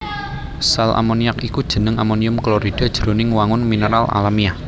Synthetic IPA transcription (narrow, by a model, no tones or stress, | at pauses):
salʔa̰moniakikud̥ʒ̥ə̤nəŋamoniʊmkloɾid̥a̤d̥ʒ̥əɾonɪŋwaŋʊnminəɾala̰lamia